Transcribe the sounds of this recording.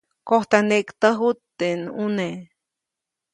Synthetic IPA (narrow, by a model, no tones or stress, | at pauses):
koht̪aneʔkt̪əɦut̪ːenune